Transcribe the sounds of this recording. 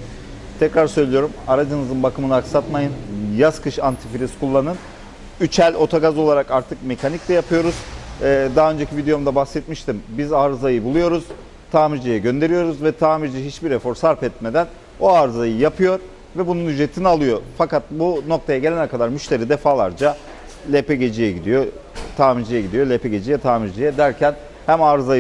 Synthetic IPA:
t̪ʰɛcɾaɾsø̞jlʲijo̞ɾumaɾad͡ʒɯnɯzɯnbakʰɯmɯnɯaksat̪majɯnjazkʰɯʃant̪ʰifilʲiskʰulˠːanɯn | yt͡ʃʰælʲo̞t̪ʰaɡazo̞lˠaɾakaɾt̪ʰɯkme̞cʰaniclʲɛjapʰɯjo̞ɾuzːd̪aɦø̞nd͡ʒecʰivid̪ejo̞md̪abaxsɛt̪̚miʃt̪imbizaːɾɯzajɯbulˠujo̞ɾuz̥ | t̪ʰaːmid͡ʒijɛɟø̞nd̪e̞ɾijo̞ɾuzvɛt̪ʰaːmiɾd͡ʒiɦit͡ʃbiɾefo̞ɾsaɾpɛt̪me̞d̪æn | o̞aːɾɯzajɯjapʰɯjo̞ɾ | vɛbununyʒet̪ʰinialˠɯjo̞fakat̪̚buno̞kt̪ʰajaɟelʲenɛkʰad̪aɾmyʃt̪ʰe̞ɾid̪ɛfaːlˠaɾd͡ʒa | lʲepɛɟe̞d͡ʒijɛɟid̪ijo | t̪ʰaːmid͡ʒijɛɟid̪ijo̞lʲepʰɛɟe̞d͡ʒijɛt̪ʰaːmiɾd͡ʒijɛd̪æɾcʰæn | hæmaːɾɯzaj

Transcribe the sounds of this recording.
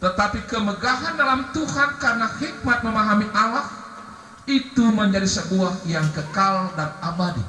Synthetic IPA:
t̪ət̪apikəməɡaɦandalamt̪uhankarənahik̚mat̪̚məmaɦamiʔalah | it̪uməɲd͡ʒadisəbuahjaŋkəkaldanabadḭ

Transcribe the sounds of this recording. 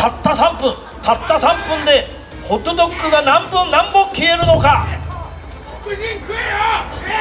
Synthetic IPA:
tat̪ʰːasʰampɯn | t̪ʰat̪ʰːasʰampɯnd̪e | hod̪ɯd̪ok͈ːɯɡanampɯnnambokʰːieɾɯnoka

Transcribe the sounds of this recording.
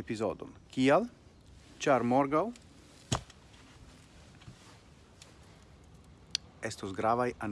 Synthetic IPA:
epizo̰d̪o̰nkial | t͡ʃaɾmoɾɡaw | est̪osɡɾavajan

